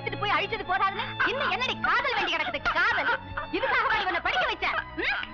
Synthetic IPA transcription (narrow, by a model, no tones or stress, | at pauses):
t̪ːɪʈːɯpoːjɐɻɪt͡ʃːɐðɯpoːɾaːðɐnɐːɪnːɐɛnːɐɽikaːðɐlʋeːɳɖikːɪɽɐkːɯðɯkaːðɐlɪðɯkːaːɣɐʋaːɳikɔnːɐpɐɽɪkːɐʋɐɪt͡ʃːaːm